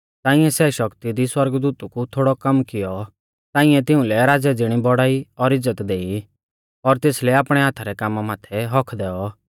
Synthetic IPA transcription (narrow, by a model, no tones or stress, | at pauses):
t̪aːɪ̃ɛsɛʃɐkt̪id̪iswɐɾɡd̪uːt̪ukut̪ʰoːɽɔkɐmkɪjɔ | t̪ãːɪ̃ɛ̃t̪ɪũlɛɾaːd͡zɛd͡zɪɽ̃ibɔɽaːiɔɾɪd͡zːət̪d̪eːi | ɔɾt̪eːslɛaːpɽ̃ɛɦaːt̪ʰaɾɛkaːmːamaːt̪ʰɛɦɔkʰd̪ɛːɔ